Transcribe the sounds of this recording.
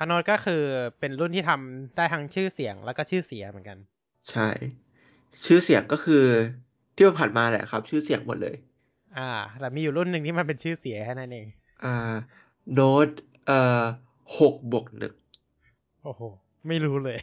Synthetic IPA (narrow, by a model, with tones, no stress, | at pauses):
kʰa˦˥noː˦˥t̪̚kɔː˥˩kʰɯː˧pe˧nɾu˥˩nt̪iː˥˩a˧mdaː˥˩jt̪ʰa˦˥ŋt͡ɕʰɯː˥˩si˨˩˦əŋlɛ˦˥wkɔː˥˩t͡ɕʰɯː˥˩si˩˦ɐmɯ˨˩˦nka˧n | t͡ɕʰa˥˩j | t͡ɕʰɯː˥˩si˨˩˦əŋkɔː˥˩kʰɯː˧ | t̪ʰiː˥˩ma˧npʰaː˨˩nmaː˧lɛ̰ː˨˩ʔkʰa˦˥p̚t͡ɕʰɯː˥˩si˨˩˦əŋmo˨˩t̪̚lɤ̰ː˧j | ʔaː˧˩ɾɛ˨˩miː˧juː˨˩ɾu˥˩nːɯ˨˩ŋt̪ʰiː˥˩ma˧npe˧nt͡ɕʰɯː˥˩si˨˩˦kʰa˥˩na˦˥nʔeː˧ŋ | ʔaː˧ | noː˦˥t̪̚ | ʔɤː˨˩ | ho˨˩k̚bo˨˩k̚nɯ̰˨˩k̚ | ʔoː˨˩ho˨˩ | ma˥˩jɾuː˦˥lɤː˧j